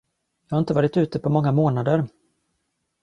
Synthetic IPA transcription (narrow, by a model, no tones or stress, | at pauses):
jɑːhaɪnt̪əvɑːɾɪt̪ʉ̟ːt̪əpʰɔmɔŋːamoːnad̪əɾ